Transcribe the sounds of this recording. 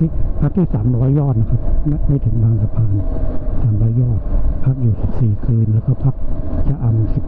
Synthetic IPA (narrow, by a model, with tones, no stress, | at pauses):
pʰa˦˥k̚t̪ʰiː˥˩saː˩˦mɾɔː˦˥jːɔː˥˩t̪̚na˧kʰa˧˥p̚ma˧˥˩ma˥˩jt̪ʰɯ˨˩˦ŋbaː˧ŋsa˧pʰaː˧n˨˩saː˩˦mɾɔː˦˥jɔː˥˩t̪̚pʰa˦˥˩k̚juː˨˩si˨˩p̚siː˨˩kʰɯː˧nlɛː˦˧˥kɔː˧˥˩pʰa˦˥˩k̚t͡ɕa˧˥ʔa˧m˧si˨˩p̚